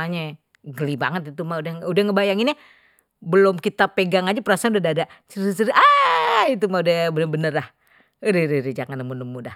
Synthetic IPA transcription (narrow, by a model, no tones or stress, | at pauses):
aɲa | ɡəliba̰ŋət̪it̪umaudahudahŋəbajaŋina | bəlomkit̪apeɡaŋad͡ʒapəɾasaɲudadadat͡ʃəɾit͡ʃəɾiait̪̬umaudabənəbənərlah | ɾiɾiɾid͡ʒaŋanəmunəmudah